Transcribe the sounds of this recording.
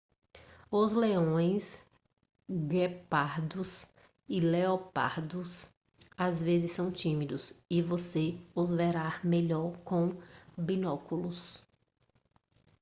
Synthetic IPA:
ʊzleõj̃s | ɡepaɾd̪ʊs | ɪleopa̰ɾd̪ʊs | azvezɪsːɐ̃w̃t͡ʃĩmid̪ʊsɪvoseʊzveɾaɾmeʎɔɾkõbinɔkulʊs

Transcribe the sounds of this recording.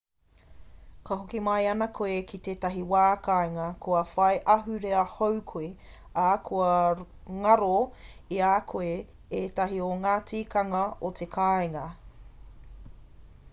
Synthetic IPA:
kɐɦokimɐjɐnɐkʰoekʰit̪eːtɐɦiwaːkaeŋɐkʰoɐfɐjʔɐɦʉɾeɐhowkʰoi | aːkʰoɐ | ŋɐɾoiaːkʰoe | eːt̪ɐɦioŋaːt͡siːkɐŋɐot̪ʰekʰaːeŋɐ

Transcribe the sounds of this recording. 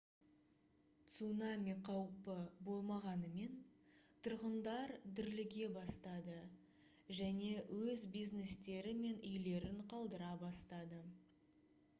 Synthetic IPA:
t̪sunamiqʰɑwpəbo̞lˠmɑʁɑnəme̞nt̪ʰʊɾʁənd̪ɑɾd̪ʏɾlɪɡʲe̞bɑst̪ɑd̪ə | ʒæne̞wɵzbijzne̞st̪e̞ɾɪme̞nʏjle̞ɾɪɴqʰɑlˠd̪əɾɑbɑst̪ɑd̪ə

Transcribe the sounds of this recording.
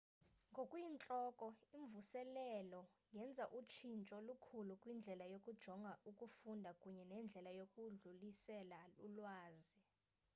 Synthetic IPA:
ŋɡʱokʼwint͡ɬʼɔkʼɔiɱvusɛlɛlɔjɛnd͡zʱaʔut͡ʃʰint͡ʃʼɔlukʰulukʼwind͡ɮʱɛlajokʼud̥ʒ̥ʱɔŋɡʱaʔukʼufundʱakʼuɲɛnɛnd͡ɮʱɛlajokʼuɮulisɛlalulwaːzi

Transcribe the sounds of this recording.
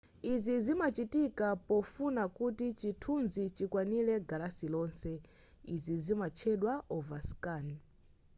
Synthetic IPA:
izizimat͡ʃitikapɔfunakutit͡ʃitʰunzit͡ʃikwanilɛɡalasilɔːnsɛ | izizimat͡ʃʰɛɗwaʔɔvaskaːni

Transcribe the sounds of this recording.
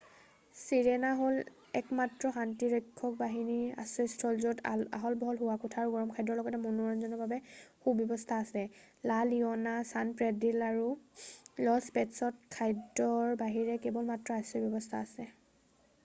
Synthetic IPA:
siɹenaɦol | ɛkmatɹɔxantiɹɔjkʰːɔk̚baɦinia̰sɔstʰɔlzɔta̰ɦɔlbɔɦɔlɦʊwakutʰaːɹuɡɔɹɔmkʰajdɔɹlɔɡɔtɛmɔnuɹɔnzɔnɔbabɛxubjɔbɔstʰaːsɛ | laliɔnasanpɹɛdilaɹu | lɔspɛtsɔt̚kʰajdɔɹbaɦiɹɛkebɔlmatɹɔasɔbjɔbɔstʰa̰ːsɛ

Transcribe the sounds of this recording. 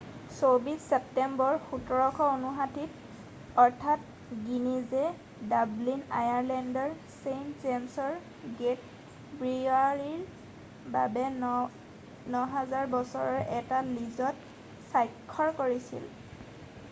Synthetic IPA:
sobisɛp̚tɛmbɔɹxutɔɹɔkʰɔonuxatit | ɔɹtʰat | ɡinizɛ | dablina̰jaɹlɛndɔɹ | sejntzɛnsɔɹ | ɡet | bɹiaɹiɹ | ba̰bɛ | nɔɦazaɹbɔsɔɹɔɹʔɛtalizɔt | sajkʰːɔɹkoɹisḭl

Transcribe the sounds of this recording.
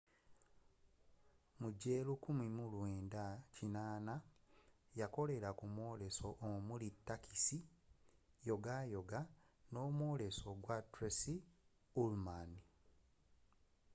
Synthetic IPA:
muɟelukumimulweːndacinaːna | jako̞le̞ɾakumwo̞ːle̞so̞ʔːmulitːakʰisi | jo̞ɡajo̞ɡa | no̞ːmwo̞ːle̞so̞ɡwatɾesi | ulmani

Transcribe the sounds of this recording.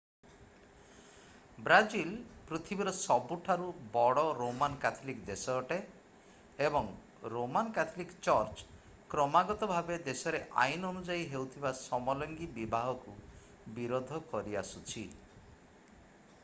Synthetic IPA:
bɾad͡ʒilpɾit̪ʰibiɾɔsɔbuʈʰaɾubɔɽɔɾomankat̪ʰɔlikd̪esɔːʈe | ebɔŋ | ɾomankat̪ʰɔlikt͡ʃɔɾt͡ʃ | kɾɔmaɡɔt̪ɔbʱabed̪esɔɾeʔa̰jnɔnud͡ʒaiɦewt̪ʰibasɔmɔlɔŋɡibibaɦɔku | biɾod̪ʱɔkɔɾia̰sut͡ʃʰi

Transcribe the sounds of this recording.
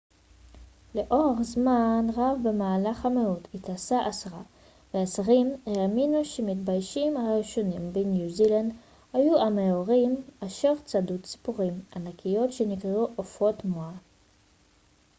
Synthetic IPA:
le̞ʔo̞eʁzmanʁavbemaːlaχhameutitasaʔasʁa | veasʁimeaminuʃemitbajʃimaʁiʃo̞nimbenjuziland | hajuʔameoʁimaʃeʁt͡sadutt͡si̥puʁimanakʰijo̞tʃe̞nikʁeuʔofo̞tmoa

